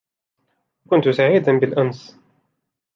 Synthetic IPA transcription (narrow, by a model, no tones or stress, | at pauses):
kʊnt̪ʊsaʕiːd̪anbɪlʔans